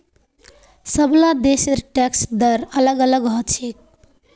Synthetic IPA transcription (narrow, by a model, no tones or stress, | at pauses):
səblad̪eseɾʈɛksd̪əɾələɡələɡɦɔt͡ʃʰik̚